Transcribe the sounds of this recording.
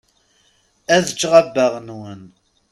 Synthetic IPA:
æðət͡ʃːʁabːəʁnwən

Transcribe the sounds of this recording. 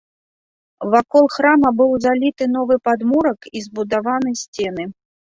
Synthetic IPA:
vakɔlˠxɾamɐbɨwzalʲit̪ɨn̪ɔvɨpad̪muɾɐkizbud̪avanɨjsʲt͡sʲɛn̪ɨ

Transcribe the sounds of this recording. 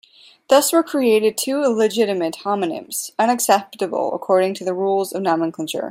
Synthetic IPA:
ðʌswə˞kʰɹ̥ieɪɾɨd̚tʰʉlɨd͡ʒɪɾɨmɨt̚hɑmɨnɨ̰̃mz̥ʌ̃ñɨksɛp̚tɨb̰l̩ˠə̰kʰɔɹɾɪ̃ŋtʰɨðɨɹulˠzʌvnɑmɨ̃nkʰə̃nt͡ʃə̰˞

